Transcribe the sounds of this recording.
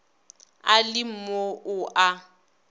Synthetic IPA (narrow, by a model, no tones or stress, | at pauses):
alɪm̩moʔʊʔa